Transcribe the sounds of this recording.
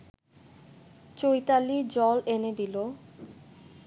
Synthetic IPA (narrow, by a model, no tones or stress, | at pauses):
t͡ɕojt̪alid͡ʑɔlened̪ilo